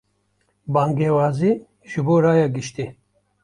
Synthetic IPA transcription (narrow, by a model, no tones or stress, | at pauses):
baːŋɡewaːzi | ʒɨboːɾaːjaɡɨʃt̪i